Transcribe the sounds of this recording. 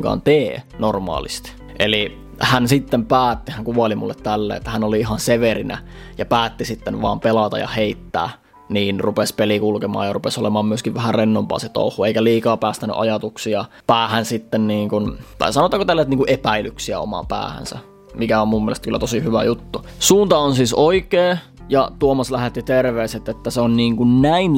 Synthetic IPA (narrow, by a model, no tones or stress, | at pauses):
ŋkɑ̰ːnt̪eːnormɑ̰ːlist̪ | ʔeli | hænsit̪ːempæːt̪ːihæŋkuɑlimṵlːet̪t̪ælːḛːet̪ːæhænoliiɦɑnseʋerinæ̰ | jɑpæːt̪ːisit̪ːenʋɑ̰ːmpelɑt̪ɑ̰jɑ̰heit̪ːæ̰ː | niːnrupespelikulkemɑ̰ːjɑrupesolemɑːmmyøskiʋʋhærrenːompɑ̰ːset̪o̰ˑuhːˑueikæliːkɑːpæːst̪æny̰ʔɑjɑt̪uksiɑ | pæːhænsit̪ːenniːŋkunt̪ɑ̰isɑnot̪ːˑɑːkot̪ælːset̪niŋkuʔepæilyksiæ̰o̰mɑ̰pæ̰ːhæ̰nsæ̰ | mikæommumːielest̪kylːæ̰t̪osihyʋæ̰jut̪ːu | suːnt̪ɑonsiːsoikeː | jɑt̪uomɑslæhet̪ːit̪erʋeːset̪ːet̪ːæseonniːŋkunnæin